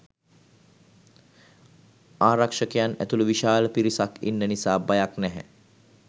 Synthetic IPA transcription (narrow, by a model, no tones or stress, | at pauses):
aːɾakʂəkejanæ̰t̪uluʋiʃaːləpiɾisakḭnːənisaːbajaknɛɦɛ̰